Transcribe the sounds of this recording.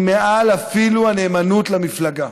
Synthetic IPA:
meʔalafiluane̞ːmanutlamiflaɡa

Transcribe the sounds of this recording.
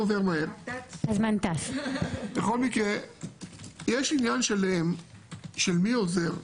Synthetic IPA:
ove̞ʁmaemazmant̪asbeχo̞lmikʁe | jeʃinjanʃelem | ʃelmioze̞ʁ

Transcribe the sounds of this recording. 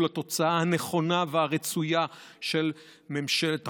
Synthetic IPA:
lat̪o̞t͡saahaneχo̞naveaʁet͡sujaʃel | me̞mʃelet̪

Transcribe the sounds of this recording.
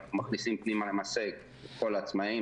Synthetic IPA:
umaχnisimpnimalemaseɡ | et̪ko̞laːt͡smai

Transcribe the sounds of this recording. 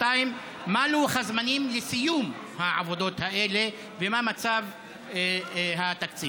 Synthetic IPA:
taimː | aluχazmanimlesijum | haʕa̰vo̞d̪o̞t̪haʔe̞le̞ | vemamat͡sav | ɦat̪akt͡si

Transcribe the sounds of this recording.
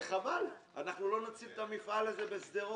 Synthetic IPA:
χabala̰naχnulo̞nat͡sivt̪amifale̞zebe̞sd̪eʁo

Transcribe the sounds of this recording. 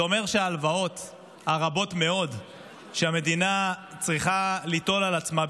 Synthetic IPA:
o̞me̞ʁʃeaːlvao̞t̪ | haʁabo̞t̪me̞o̞d | ʃeame̞d̪inat͡sʁiχalit̪o̞lalat͡sma

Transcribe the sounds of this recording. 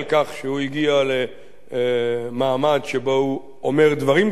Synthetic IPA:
lkaχʃehuiɡiale̞ | maːmadʃebo̞u | omeʁd̪vaʁim

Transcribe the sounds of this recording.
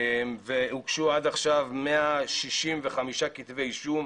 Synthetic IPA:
mvehukʃuad̪aχʃavmeaʃiʃimveχamiʃakit̪vejʃum

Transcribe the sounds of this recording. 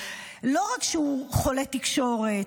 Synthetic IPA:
lo̞ʁakʃeuχolet̪ikʃo̞ʁet

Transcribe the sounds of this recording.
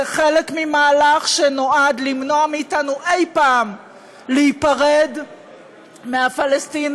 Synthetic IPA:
eχe̞le̞kmimaːlaχʃenoadlimno̞amiːtanuʔe̞jpaːm | leipaʁe̞d | meafalestin

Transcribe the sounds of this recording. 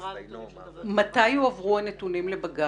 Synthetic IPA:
matajhuavʁuhane̞tunimlebaɡa

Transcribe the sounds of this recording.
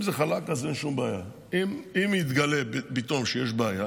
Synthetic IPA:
mzeχalakazenʃumbeaja | imimjit̪ɡalebit̪omʃejeʃbeaja

